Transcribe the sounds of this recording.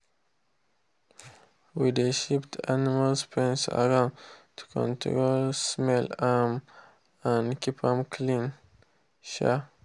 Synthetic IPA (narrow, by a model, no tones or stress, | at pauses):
wid̪eʃiptʰanɪmalspʰɹĩnsə̰ɹãʊ̃ntʰu̥kʰɔ̰̃ntʰɹolsmɛlam | ãnkʰipʰãmkʰlĩn | ʃa̰